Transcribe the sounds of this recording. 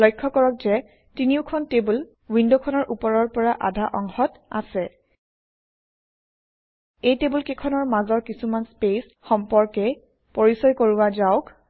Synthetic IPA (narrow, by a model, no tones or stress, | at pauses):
lɔjkʰːɔkɔɹɔk̚zɛ | tiniʊkʰɔntebul | windokʰɔnɔɹʔupɔɹɔɹpɔɹaʔa̰dʱaʔɔŋxɔtasɛ | ejtebulkekʰɔnɔɹmazɔɹkisumanspes | xɔmpɔɹkɛ | poɹisɔjkoɹuwazaʊk